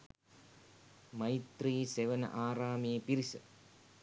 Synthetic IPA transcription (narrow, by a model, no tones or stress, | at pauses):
mɐjt̪riːseʋɐnɐ̰ʔaːɾaːmeːpiɾisɐ̰